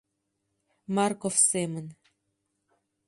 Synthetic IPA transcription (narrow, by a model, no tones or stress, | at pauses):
mɑrkofsemən